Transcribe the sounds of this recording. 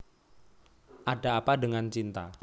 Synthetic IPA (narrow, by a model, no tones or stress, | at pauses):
ʔaɖa̤ːpaɖəŋant͡ʃint̪a